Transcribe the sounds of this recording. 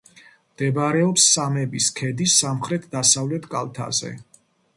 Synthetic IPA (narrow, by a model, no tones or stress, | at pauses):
md̪̥ɛbaɾɛɔpsːamɛbiskʰɛd̪isːamχɾɛt̪ʰd̪asavlɛt̪ʰkʼalˠt̪ʰa̰zɛ̰